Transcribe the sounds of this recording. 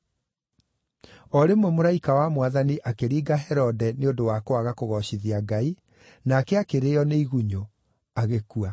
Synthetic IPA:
ɔɾemwɛmoɾaikawamwaðaniʔakeɾiːɡaɦɛɾɔdɛneondowaːkoaɣakoɣɔɕiðiaɡai | naːkɛakeɾeɔneiɣuɲo | aɣekua

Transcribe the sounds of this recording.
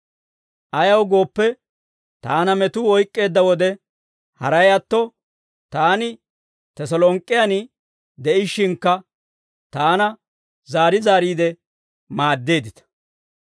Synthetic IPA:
ʔɐjɐwɡo̞ːpːɛ | t̪aːnɐmɛt̪ʊɔjkʼːe̞ːd̪ːɐwɔd̪ɛ | hɐɾɐjɐt̪ːɔ | t̪aːnɪ | t̪ɛsɔlɔŋkʼːɪjɐnɪ | d̪ɛʔɪʃːɪŋkːɐ | t̪aːnɐ | zaːɾɪzaːɾiːd̪ɛ | maːd̪ːe̞ːd̪ɪt̪ɐ̥

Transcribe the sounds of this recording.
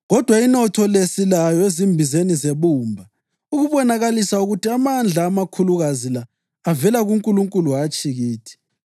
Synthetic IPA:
ɣɔd̥ʱwainɔtʰɔlesilajɔezimbʱizenizeβuːmbʱa | uɣuβɔnaɣalisauɣutiamand͡ɮʱaːmakʰuluɣazilaː | vɛlaɣuŋkʼuluŋkʼuluat͡ʃʼiɣiːtʰi̥

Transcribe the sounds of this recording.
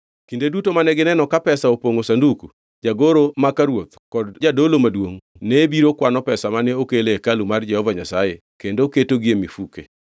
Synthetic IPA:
kindedutomanɛɡɪnɛnɔkapɛsaopoŋosanduku | d͡ʒaɡoɾomakaɾwot̪kɔdd͡ʒadolomadwoŋ | nebiɾokwanɔpɛsamanɛokelekalumard͡ʒɛhɔvaɲasaje | kendoketoɡiemifuke

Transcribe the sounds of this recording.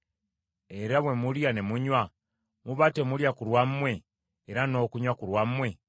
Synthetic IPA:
e̞ɾaβwe̞muljane̞muɲwa | muβatemuljakuɾwamːwe̞ː | ɾano̞ːkuɲwakuɾwamːwe̞

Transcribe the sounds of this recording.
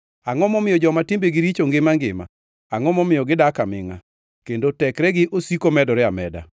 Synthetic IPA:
aŋɔmɔmɪjɔd͡ʒɔmatimbeɡɪɾit͡ʃoŋɡɪmaŋɡɪ̰ma̰ | aŋɔmɔmɪjɔɡɪdakamɪ̰ŋa̰ | kendotɛkɾɛɡɪʔosikomɛdɔɾɛamɛ̰da̰

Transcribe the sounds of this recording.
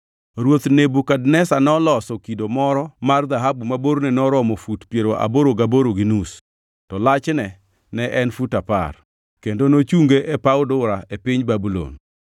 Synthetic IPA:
ɾwot̪nebukadnɛsanɛɔlɔsɔkidomɔɾɔmard̪aɦabumaboɾnɛnɔɾɔmɔfutpjeɾoʔa̰boɾoɡaboɾoɡinus | tɔlat͡ʃnɛ | nɛʔɛnfutapa̰r | kendonot͡ʃuŋɡeʔepaʊdʊɾaʔepɪɲbabulo̰n

